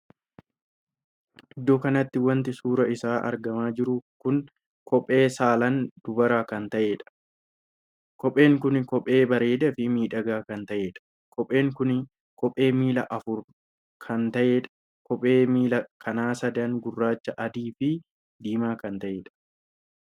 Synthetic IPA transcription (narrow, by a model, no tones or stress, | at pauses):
ʔɪd̪ːoːkɐnɐt̪ːɪwɐnt̪ɪsuːɾɐɪsaːʔɐ̰ɾɡɐmaːd͡ʒɪɾʊkʊŋ | kʰɔpʼːe̞ːsaːlɐnd̪̥ʊbɐɾaːkɐnt̪ɐʔeːᶑɐ̥ | kɔpʼːe̞ːŋkʊnkɔpʼːe̞ːbɐɾe̞ːd̪ɐfɪmiːᶑɐɡaːkɐnt̪ɐʔeːᶑɐ̥ | kʰɔpʼːe̞ːŋkʊn | kɔpʼːe̞ːmiːlɐ̰ʔɐfʊɾ | kʰɐnt̪ɐʔeːᶑɐ̥ | kɔpʼːeːmiːlɐkʰɐnaːsɐd̪ɐŋɡʊrːaːt͡ʃːɐʔɐd̪iːfɪ | d̪iːmaːkɐnt̪ɐʔeːᶑɐ̥